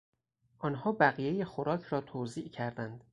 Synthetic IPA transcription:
ʔɒːnɦɒːbæɣijejexoɾɒːcʰɾɒːt̪ʰoːziːʔcʰæɾd̪ænd̪̥

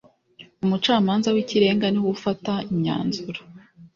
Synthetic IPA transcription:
umut͡ʃaːmaːnzawiciɾe̞ːŋɡaniwufataimɲa̰ːnzuɾa

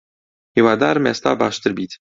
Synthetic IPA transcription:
hiwaːd̪aːɾmḛːst̪ɑ̰ːbaːʃt̪ɨɾbiːt̪

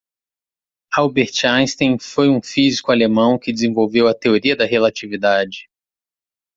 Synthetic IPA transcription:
awbeɾt͡ʃaj̃st̪ẽj̃fojũfizikʊalemɐ̃w̃kɪd͡ʒɪzẽvowvewɐt̪eoɾiɐd̪ɐɦelat͡ʃivid̪ad͡ʒɪ

